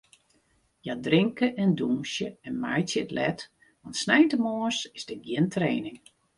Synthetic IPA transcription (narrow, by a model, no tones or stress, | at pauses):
jadrɪŋkəʔɛndumsjəɛnmajtjəətlɛt | ʋɑntsnɛjtəmoːsɪzdəɡjɪntreːnɪŋ